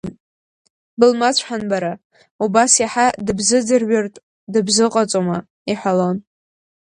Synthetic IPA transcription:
bɨlmat͡ɕʷʰħanbaɾa | ubasjaħadɨbzɨd͡zɨrɥartʼ | dɨbzɨqʼat͡sʷʼoma | iħʷalo̞n

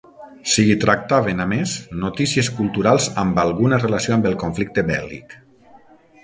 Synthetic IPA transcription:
siit̪ɾak̚t̪aβenameznot̪isieskulˠt̪uɾalˠzambalˠɣunərelasioambəlˠkoɱflik̚t̪ebɛ̰lḭk

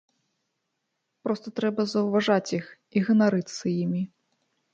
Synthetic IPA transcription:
pɾɔst̪ɐt̪ɾɛbɐzɐwvaʐat͡sʲjix | iɣɐnaɾɨt̪sɐjimʲi

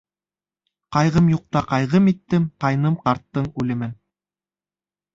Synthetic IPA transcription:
qɑjʁɤmjuq̚t̪ɑqɑjʁɤmit̪ːɘmqɑjnɤmqɑɾt̪ːɤɴʉlɘ̆mɘn

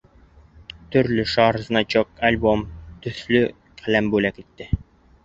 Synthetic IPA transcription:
t̪ɵ̆ɾlɵʃɑɾznɑt͡ɕok̚ɐlʲbomt̪ɵ̆θlɵ | qʰælæmbʉlækit̪ːɘ

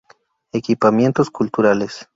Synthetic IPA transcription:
ekipamje̞nt̪oskult̪uɾales

